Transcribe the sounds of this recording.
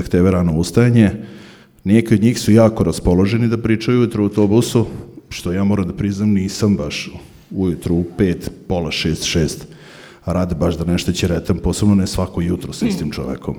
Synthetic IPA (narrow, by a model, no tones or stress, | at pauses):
akt̪eʋeɾanoust̪ajaɲe | nekiod̪ɲiːxsujaːkoɾaspo̞loʒenid̪apɾit͡ʂajujut̪ɾoawt̪obusuʃt̪ojaːmoɾamd̪apɾiznamniːsambaʃ | ujut̪ɾuupeːt̪po̞laʃeːst̪ʃeːst̪ | aɾaːd̪ebaʃd̪anɛʃt̪ot͡ɕeɾɛt̪ampose̞bnonesʋakojut̪ɾosist̪imt͡ʃo̰ʋḛko̰m